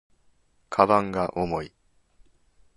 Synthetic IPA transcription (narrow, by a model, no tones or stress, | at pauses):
kʰabãŋɡaʔomo̞i